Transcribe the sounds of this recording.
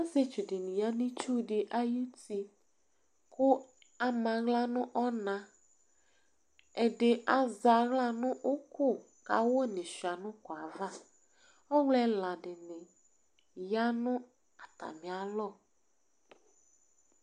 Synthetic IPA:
a˦ze˦t͡ʃi˨dɪ˨nĩ˨ja˦nĩ˦t͡ʃu˦ɖɪ˨ʔa˦ji˦ti˦ | kʊ˦ | a˨mã˨ɣla˦nʊ̃˦ʔɔ˦nã˨ | ɛ˨ɖɪ˨ʔa˨za˨ɣla˦nʊ̃˦ʔo˦ko˦˨ | ka̰˨wo˦nɪ̃˨ʃi˨a˨nʊ̃˦kɔ˨a˨va˦ | ɔ˦wlɛ˦la˨ɖɪ˨nɪ̃˨ | ja˦nʊ̃˦ | a˨t̪a̰˨mĩ˨a˨lɔ˦˨

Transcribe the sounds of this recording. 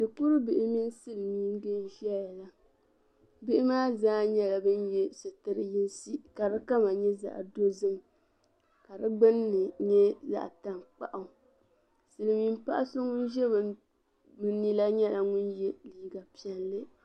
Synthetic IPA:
dɨ˨ku˦ɾɨ˦bɪ˨ʔɪ˦mi˦n˦sɨ˦lɨ˨mi˦n˦ɡɨ˦n˦ʒi˦a˦jɛ˨la˦ | bɪ˦ʔɪ˦maː˦zaː˦ɲɛ˦la˨bɨ˦njɛ˦sɨ˨tɨ˦ɾɨ˦jɪ˦n˦si˦ka˨ɾɨ˦ka˦ma˨ɲɛ˦za̰˨ʔdo˦zɨ˦m˨ | ka˨ɾɨ˦ɡ͡bɨ˦nː˦ɨ˨ɲɛ˦za̰˦˨ʔta˨m˨k͡pa̰˨ʔa˨ | sɨ˨lɨ˨mi˦m˦pa̰˦ʔa˦so˦ŋʊ˦nʒɛ˦b | bɨ˦ni˦la˦ɲɛ˦la˨ŋʊ˦njɛ˦liː˨˦ɡa˨pi˨ɛ˨nlɨ˦

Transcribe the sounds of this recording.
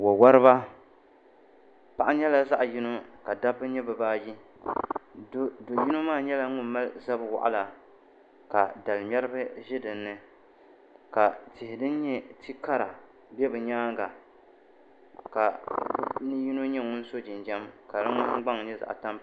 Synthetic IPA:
wo˨wa˦ɾɨ˦ba˦ | pa˦ʔa˦ɲɛ˦la˦za˦ʔji˦no˦ka˨da˦bɨ˦ɲɛ˦bɨ˨baː˦ji˦ | do˨ji˦no˦maː˦˨ɲɛ˦la˦ŋʊ˦nma˦lza˦bwa̰˨ʔa̰˦la˨ | ka˨da˨lmʲɛ˦ɾɨ˦bɨ˦ʒɪ˦dɨ˨nːɨ˦ | ka˨tɪ˨hɪ˨dɨ˦n˦ɲɛ˦ti˦ka˦ɾa˨ | bɛ˦bɨ˨ɲaː˦ŋɡa˨ | ka˨˦ | nɨ˦ji˦no˦ɲɛ˦ŋʊ˦n˦so˦d͡ʒɪ˨nd͡ʒɛ˦mka˨ɾɨ˦ŋʊ̃˦ɡ͡ba˦ŋ˨ɲɛ˦za̰˨ʔta˦m

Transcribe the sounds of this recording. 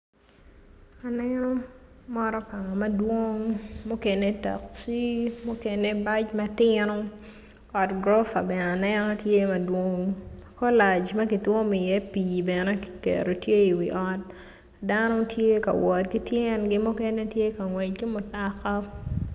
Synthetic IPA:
a˨nɛno˦mɔ˦ɾɔ˦pa˨ŋa˨mɐ˦dwo˦ŋmo˦ke˨ne˦ta̰˨kt͡ʃi˦mo˦ke˨ne˦ba˦t͡ʃmɐ˦tɪnɔ˦ | ɔ˨tɡɾɔ˦fa̰˨bɛ˨na˨nɛnɔ˦tje˦mɐ˨dwo˦ŋkɔ˦la˨t͡ʃmɐ˦ki˨two˦mɪ˨jɛ˦pi˨bɛ˨nɛ˦ki̥˨kḛɾo˨tje˦i˨wḭ˨ʔɔ˦t̚ | danɔ˦tʰje˦kɐ̰˨wɔ˨tki˦tjɛ˦nɡɪ˦mʊ˦kɛ˦ne˦tje˦kɐ˨ŋwɛ˨t͡ʃ̚ɡi˦mʊ˨taka˦

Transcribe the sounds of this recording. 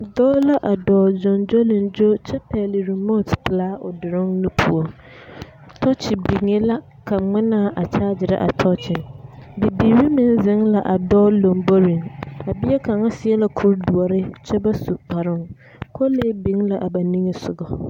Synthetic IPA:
dɔː˦la˦ʔa˨dɔː˨d͡ʑɔ̃˨nd͡ʒɔ˦lɪ̃˨nd͡ʒo˦t͡ɕʰɛ˦pʰɛ˨lɪ˨ɾi˨mɔ̃˦˨tpʰlaː˦ʊ˨dɪ˨ɾɪ̃˦ŋnʊ̃˦pʰu˨ɔ˨ | tʰɔ˦t͡ʃʰɪ˨bi˨ŋe˦la˦ | kʰa˨ŋ͡mɪ̃˦nã˦˨ʔa˨t͡ɕʰaː˦d͡ʑɪ˨ɾɛ̰˦ʔa̰˨tʰɔ˦t͡ʃʰɪ˨nbi˨bi˨ɾi˦mɪ̃˨nzɪ̃˦ŋla˨ʔa˨dɔː˦lɔ̃˨mbo˦ɾĩ˨na˨bi˦ɛ˦kʰã˨ŋa˦sɪ˨ɛ˦la˨kʰʊ˦ɾdu˨ɔ˨ɾɪ˦t͡ɕʰɛ˦ba˦su˨pʰa˨ɾɪ̃˦n˦ | kʰɔ˦le˦bĩ˨˦ŋla˨ʔa˨ba˨nĩ˦ŋɪ˨sʊ˨ɡɔ˨

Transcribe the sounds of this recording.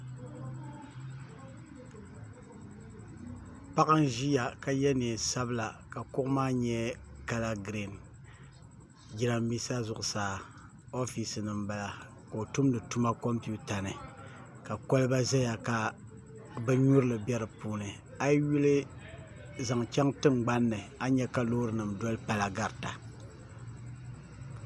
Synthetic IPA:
pa˦kɨ˦nʒi˦ja˨ka˨jɛ˦neː˨sa˦bɨ˦la˨ka˨kʊ˦ʔmaː˦ɲɛ˦ka˨la˦ɡɾi˨n | ɡi˦ɾa˨mːi˦sa˦zʊ˨ʔʊ˨saː˨ | o˦fi˨sɨ˨nɨ˨mba˨la˨ | ka˨o˨tu˦mdɨ˨tu˦ma˦ko˦mpi˦u˦ta˨nɨ˨ | ka˨kɔ˦lɨ˦ba˦za˦ja˨ka˨ | bɨ˦ɲu˦ɾɨ˦lɨ˨bɛ˦ɾɨ˨puː˦nɨ˨ | a˦jju˦lɨ˦ | za˨ŋt͡ʃɛ˦ŋtɨ˦ŋɡ͡ba˦nːɨ˨a˦ɲɛ˦ka˨loː˦ɾɨ˨nɨ˨mdɔ˦lɨ˦pa˨la˨ɡa˨ɾta˨

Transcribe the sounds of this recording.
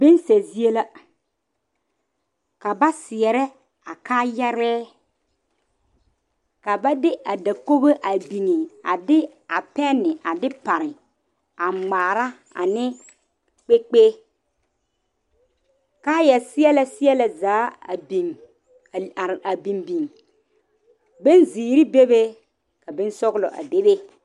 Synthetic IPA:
be˦n˦sɛ˨zi˦e˦la˦ | ka˨ba˦sɪ˨ɛ˨ɾɛ˦ | a˨kaː˦jɛ˦ɾɛː˦ | ka˨ba˦dɪ˦ʔa˨da˨ko˦be˦ʔa˨bi˨ŋe˨a˨dɪ˦ | a˨pɛ˦nːɪ˨ʔa˨dɪ˦pa˨ɾɪ˨ | a˨ŋ͡maː˨ɾa˦ | a̰˨nɪ˦ | k͡pe˦k͡pe˦ | ka˦jɛ˨sɪ˦ɛ˦la˦sɪ˦ɛ˦la˨zaː˨˦˨bi˨ŋ˨ | a˨bi˨nbi˨ŋ | be˦nziː˨ɾi˦be˦be˦ | ka˨bɪ˦n˦sɔ˦ɣlɔ̰˨ʔa̰˨de˦be˦

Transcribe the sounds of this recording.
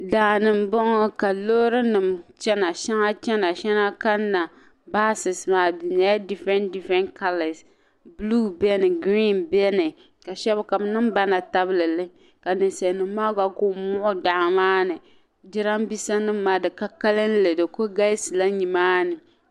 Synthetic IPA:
da˨nɨ˨m˦bɔ˦ŋɔ˦ka˨lo˦ɾɨ˦nɨ˨mt͡ʃɛ˦na˨ʃɛ˦ŋa˦t͡ʃɛ˦na˨ʃɛ˦na˦ka˦nː˦a˨ | baː˦sɨ˨smaː˨˦bi˨na˨˦ja˦di˦fɛ˦ndi˦fɛ˦nkʰa˦lɪ˨s | blu˦bɛ˦nɨ˨ɡɾi˦nbɛ˦nɨ˨ | ka˨ʃɛ˦bka˨bnɨ˦m˦ba˦na˨ta˦bɨ˦lɨ˨lɨ˦ | ka˨nɨ˨nsɛ˨nɨ˨m˦maː˦ɡa˨ko˦mʊ˦ʔʊ˦da˨ʔmaː˦nɨ˨ | dɪ˦ɾa˦mbi˦sa˦nɨ˦m˦mːaː˦dɨ˨ka˦ka˦lɨ˦n˦lɨ˨dɨ˨ko˦ɡa˦sla˦ɲi˨maː˦nɨ˨

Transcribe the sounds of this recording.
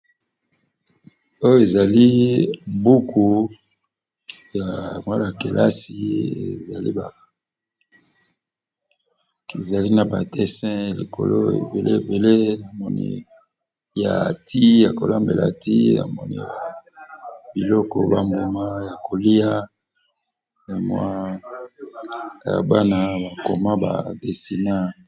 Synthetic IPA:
o˦jo˦e˨za˨li˦bu˦kʰu˨ | ja˨mwa˦la˨ke˨la˦si˨ḛ˨za˨lḭ˦ba˨ | e˨za˨li˦na˨ba˨dɛ˦sɛ̃˦lḭ˨kʰo̰˨lo̰˦ḛ˨be˨le˦e˨be˨le˦na˨mɔ˨nḭ˨ | ja̰˨ti˦ja˨ko˨la˦mbe˨la̰˨ti˦na̰˨mɔ˨nḭ˨ba˨ | bi˨lɔ˦kɔ˨ba˦mbo˨ma˦ja˨kʰo˨li˦a˦ | ja˨mwa˦ | ja̰˨ba˦na˦ba˨ko˨ma˦ba̰˨de˨si˨na˦

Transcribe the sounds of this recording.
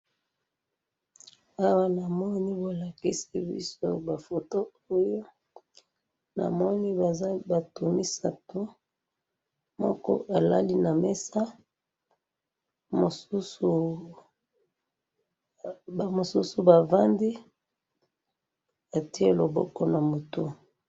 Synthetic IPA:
a˦wa˦na˨mɔ˦ni˦bo˨la˨ki˦si˦bḭ˦so̰˦ba˨fo˨to˦ | o˦jo˦ | na̰˨mɔ˦ni˦a˨˦ba˨tu˨mi˦sa˨to˦ | mɔ̰˦kɔ̰˦ʔa˨la̰˦li˦na˨me˦sa˦ | mo˨su˦su˨˦ | ba˨mo˨su˦su˨ba˨va˦ndi˦ | a˨ti˦e˦lo˨bɔ˦kɔ˦na˨mo˨tu˦

